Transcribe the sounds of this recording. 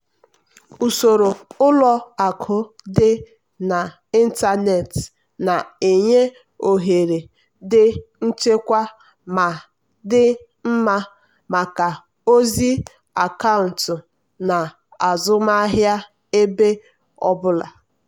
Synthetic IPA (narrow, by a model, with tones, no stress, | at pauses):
u˨so˨ɾo˨ʊ˦lɔ˦a˨kʰʊ˦dɪ˦ | na˨ | i˦n̩˦ta˦ne˨t | na˨e˨ɲe˦ | o˨ɦe˨ɾe˨ | dɪ˦n̩˦t͡ʃe˦kʷa˦ | ma˨ | dɪ˦ | m̩˦ma˦ | ma˨ka˨ | o˦zi˦ | a˨ka˦ʊ˨n̩˨tʊ˨ | na˨ | a˨zʊ˦ma˦ɦja˦ | e˦be˦ | ɔ̰˦bʊ˦la̰˨